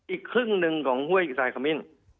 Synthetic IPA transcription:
ʔiː˨˩kʰɾɯ˥˩ŋnɯ˧ŋkʰɔː˩˦ŋhu˥˩əjsaː˧jkʰa˧mi˥˩n

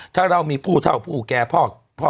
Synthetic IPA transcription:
t̪ʰaː˥˩ɾa˧wmiː˧pʰuː˥˩t̪ʰa˥˩wpʰuː˥˩kɛː˧pʰɔː˥˩ | pʰɔː˥˩

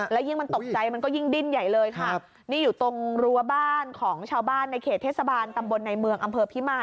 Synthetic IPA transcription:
lɛ˦˥wji˥˩ŋma˧nt̪o˨˩k̚t͡ɕa˧jma˧nk̬ɔː˥˩ji˥˩ŋdi˥˩nja˨˩jlɤː˧jkʰa˥˩ | niː˥˩juː˨˩t̪o˧ŋɾu˧ɐbaː˥˩nkʰɔː˩˦ŋt͡ɕʰaː˧wbaː˥˩nːa˧jkʰeː˨˩t̪ʰːeː˥˩sa˧baː˧nt̪a˧mbo˧nːa˧jmɯ˧əŋʔa˧mpʰɤː˧pʰi˦˥maː˧˩

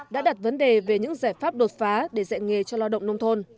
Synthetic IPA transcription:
ɗa̰ː˧˥ɗa˨˩t̚və˨˦nɗe˨˩ve˨˩ɲɨ̰˧˥ŋzaː˧˩jfaː˦˥p̚ɗo˨˩t̚faː˨˦ɗe˧˩zɛ̰˧˨nŋe˨˩t͡ɕɔ˧la˧wɗə̰˧˨wŋ͡mnə˧wŋ͡mt̪ʰo˧n

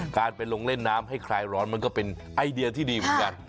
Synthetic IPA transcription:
kaː˧npa˧jlo˧ŋle˥˩nːaː˦˥mɦa˥˩jkʰɾaː˧jɾɔː˦˥nma˧nkɔː˥˩pe˧n | ʔa˧jdi˧ɐt̪ʰiː˥˩diː˧mɯ˨˩˦nka˧n

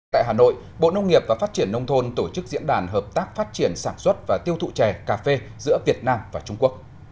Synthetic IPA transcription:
t̪a̰ː˧˨ɦaː˨˩no̰˧˨j | ɓo̰˧˨nə˧wŋ͡mŋi˨˩əp̚vaː˨˩faː˦˥t̚t͡ɕi˧˩ənːə˧wŋ͡mt̪ʰo˧nt̪o˧˩t͡ɕɨ˦˥k̚zḭ˧˥ənɗaː˨˩nɦəː˨˩p̚t̪aː˦˥k̚faː˦˥t̚t͡ɕi˧˩ənsaː˧˩nswə˦˥t̚vaː˨˩t̪i˧əwt̪ʰṵ˧˨t͡ɕɛ˨˩kaː˧˩fe˧zɨ̰˧˥əvi˨˩ət̚naː˧mvaː˨˩t͡ɕʊ˧ŋ͡mku˦˥ək̚

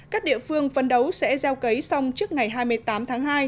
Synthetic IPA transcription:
kaː˦˥k̚ɗḭ˧˨əfɨ˧əŋfə˨˩nɗə˨˦wsɛ̰˧˥zɛ˧wkə˨˦jsa˧wŋ͡mt͡ɕɨ˦˥ək̚ŋa˨˩jɦaː˧jmɨ˧əjt̪aː˨˦mt̪ʰaː˨˦ŋɦaː˧j

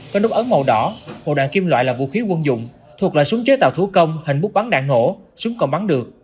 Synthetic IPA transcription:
kɔ˨˧˦nlʊ˦˥p̚ʔə˨˦nmə˨˩wɗɔ˨˦ho̰˧˨ɗa̰ː˧˨ŋki˧mlwa̰ː˧˨jlaː˨˩vṵ˧˨xi˨˦kwə˧nzʊ̰˧˨ŋ͡m | t̪ʰu˨˩ək̚laː˧˨jsʊ˨˦ŋ͡mt͡ɕəː˨˦jt̪a̰ː˧˨˩t̪ʰkə˧wŋ͡mhï˨˩ŋ̟ɓʊ˦˥ɓa˨˦nɗa̰ː˧˨ŋːo̰˧˩ | sʊ˨˦ŋ͡mkɔ˨˩nɓa˨˦ŋɗɨ˨˩ək̚

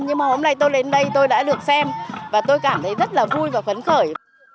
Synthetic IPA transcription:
ɲɨ˧ŋmaː˨˩ho˨˦mna˧˩jt̪o˧jɗe˨˦nɗə˧jt̪o˧jɗa̰ː˧˥ɗɨ˨˩ək̚sɛ˧mvaː˨˩t̪o˧jkaː˧˩mt̪ʰə˨˦jzə˦˥t̚laː˨˩vu˧jvaː˨˩xə˨˦nxəː˧˩j

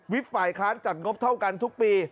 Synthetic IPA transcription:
wi˦˥t̚faː˨˩jkʰlaː˦˥nt͡ɕa˨˩t̪̚ŋo˦˥p̚t̪ʰa˥˩wka˧nt̪ʰu˦˥k̚piː˧

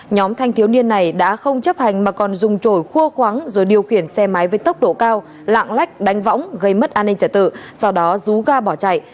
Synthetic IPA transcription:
ɲɔ˨˦mt̪ʰa˧jŋt̪ʰi˨˦wni˧ənːa˨˩jɗa̰ː˧˥xə˧wŋ͡mt͡ɕə˦˥p̚ha˨˩jŋ̟maː˨˩kɔ˨˩nzʊ˨˩ŋ͡mt͡ɕo˧˩jxu˧əxwaː˨˦ŋzo˨˩jɗi˨˩əwxi˧˩ənsɛ˧ma˨˦jvəː˨˦jt̪ə˦˥wk͡p̚ɗo̰˧˨kaː˧w | la̰ː˧˨ŋla˦˥k̟̚ɗa˨˦ŋ̟va̰˧˥wŋ͡mɣə˧jmə˦˥t̚ʔaː˧nːï˧ŋt͡ɕəː˧˩t̪ɨ̰˧˨sa˧wɗɔ˨˦zu˨˦ɣaː˧ɓɔ˧˩t͡ɕa̰˧˨jʔ

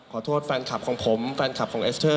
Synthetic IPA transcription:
ɔː˨˩˦t̪ʰoː˥˩t̪̚fɛ˧nkʰa˨˩p̚kʰɔː˨˩˦ŋpʰo˩˦mfɛː˧nkʰa˨˩p̚kʰɔː˩˦ŋʔeː˦˥st̪ʰɤː˥˩

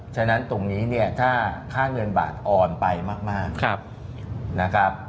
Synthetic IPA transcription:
t͡ɕʰa˦˧˥na˦˥nt̪o˧ŋniː˦˥ni˥˩ɐt̪ʰaː˥˩kʰaː˥˩ŋɤ˧nba̰ː˨˩t̪̚ʔɔː˧npa˧jmaː˥˩k̚maː˥˩k̚k̚ʰ | na˦˥kʰɾa˦˥p̚

